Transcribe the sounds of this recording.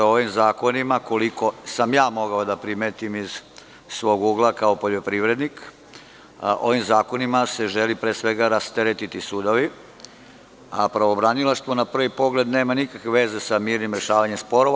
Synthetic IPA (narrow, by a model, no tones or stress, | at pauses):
oʋimzaːko̞nimako̞liko̞samjaːmo̞ɡaod̪apɾimeːt̪imiz̥ | sʋo̞ːɡuːɡlˠakao̞po̞ʎo̞pɾiʋɾe̞d̪nik | ʔo̞ʋimzaːko̞nimase̞ʒe̞lipɾeːsʋe̞ɡaɾast̪eɾet̪it̪isuːd̪o̞ʋi | apɾaʋobɾanilˠaʃt̪ʋonapr̩ʋipo̞ɡle̞d̪neːmanikakʋeʋe̞zesamiːɾnimɾe̞ʃaːʋaɲemspo̞ɾo̞